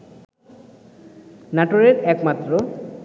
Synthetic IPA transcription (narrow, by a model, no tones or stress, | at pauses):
naʈoɾeɾɛkmat̪ːɾo